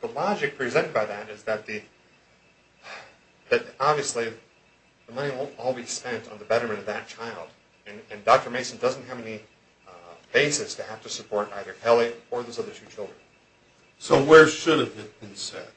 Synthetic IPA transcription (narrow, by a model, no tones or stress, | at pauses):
ðəlɑd͡ʒɨk̚pʰɹ̥izɛ̃ɾ̃ɨd̚baɪðɨɾɨzðɨt̪̚ði | ðɨt̚ɑbviɨsli | ðəmʌñiwɪlˠɔlˠbispɛ̃ntn̩ðɨbɛɾə˞mɨ̃nʌvðɨt̚t͡ʃʰaɪlˠd | ɨ̃nɨ̃ndɑk̚tə˞meɪsn̩dʌzn̩t̚ɦɨvɛni | b̥eɪsɨstʰɨhæftɨsɨpʰɔɹɾa̰ɪðə˞hʰɛlˠiə˞ðozʌðə˞tʰʉt͡ʃʰɪlˠdɹə̃n | soʊwə˞ʃʊɾɨvɨt̚b̥ɨ̃nsɛ̰t̚